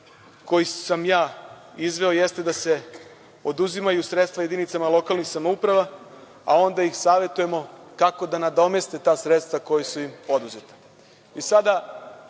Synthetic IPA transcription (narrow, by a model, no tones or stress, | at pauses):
ko̞jisamjaː | izʋe̞ojest̪e̞d̪ase̞ | o̞d̪uzimajusɾet̪st̪vaje̞d̪init̪samalˠo̞kalnixsamoupɾaʋa | a̰o̞nd̪aixsaːʋe̞t̪uje̞mo̞kako̞d̪anad̪o̞me̞st̪et̪aːsɾet̪st̪vʋako̞jesujimo̞d̪uze̞t̪ḁ | isad̪a